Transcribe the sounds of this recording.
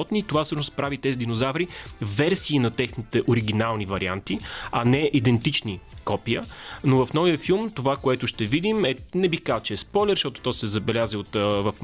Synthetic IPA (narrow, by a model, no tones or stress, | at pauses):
ɔt̪nit̪ovafsɤʃnspɾavit̪ɛzid̪inozavɾivɛɾsiːnɐt̪ɛxnit̪ɛʔoɾiɡ̟inalˠnivɐɾia̰nt̪iɐnɛʔid̪ɛnt̪it͡ʃnikɔpiənovɐfnɔvijəfilˠmt̪ovakoɛt̪ʊʃt̪ɛvid̪imɛnɛbixkazət͡ʃɛɛspɔjlɛɾʃt̪ɔt̪o̥t̪ɔjsɛzɐbɛlʲaziot̪vɐf